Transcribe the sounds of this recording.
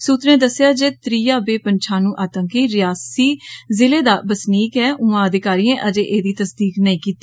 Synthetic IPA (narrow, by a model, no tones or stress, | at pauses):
suːt̪ɾẽːd̪əsjaːd͡ʒeːt̪ɾiːjaːbeːpəɲt͡ʃʰaːnũːʔaːt̪ə̃ŋkiːɾɪjaːsiːzɪleːd̪aːbəsniːkɦɛːʔʊ̃ãːəd̪ɪkaːɾiːãːʔəd͡ʒeːʔeːd̪iːt̪əsd̪iːknəĩːkiːt̪ːi